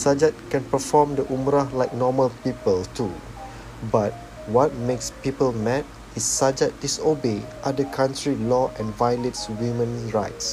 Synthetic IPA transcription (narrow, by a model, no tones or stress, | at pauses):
sad͡ʒat̚kɛ̃npəfɔmdəʔumɾahlajk̚nɔməlpipəltʰu | bat̚ | wɔt̚mekspipəlmɛt̚ | isːad͡ʒat̚disobeʔadəkʰãntʰɹilɔʔɛ̃nvajletswimə̃nɹajts